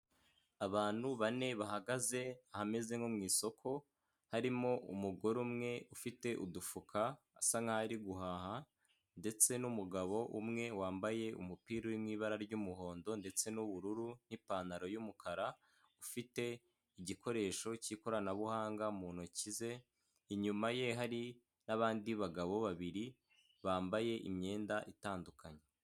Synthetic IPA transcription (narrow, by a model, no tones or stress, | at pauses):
aβaːn̥huβane̞βaɦaɡaze̞ahame̞ze̞ŋomŋiːso̞kʰo̞ | haɾimo̞ʔumuɡo̞ɾumŋe̞ufite̞ʔudufukʰaː | saŋaaɾiɡuɦaːha | nde̞t͡se̞numuɡaβo̞ʔumŋe̞waːmbaje̞ṵmupiːɾowimŋiːβaɾaɾɟumuɦo̞ːndo̞nde̞t͡se̞nuβuɾuɾun̥ipaːnaɾo̞jumukʰaɾa | ufite̞ | iɟiko̞ɾe̞ːʃo̞ciko̞ɾanaβuhaːŋɡamuːn̥ocize̞ | iɲumaje̞ɦaɾi | naβaːndiβaɡaβo̞βaβiɾi | βaːmbaje̞ʔimɲe̞ːndaʔitaːndukaɲe